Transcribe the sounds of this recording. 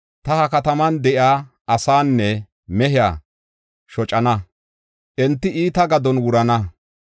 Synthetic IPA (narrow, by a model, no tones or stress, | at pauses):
t̪ɐhɐkɐt̪ɐmɐnd̪ɛʔɪaː | ʔɐsaːnːɛ | mɛɦɪja̰ː | ʃɔt͡ʃʼɐnɐ | ʔɛnt̪ːɪiːt̪ɐɡɐd̪ɔnwʊɾɐnɐ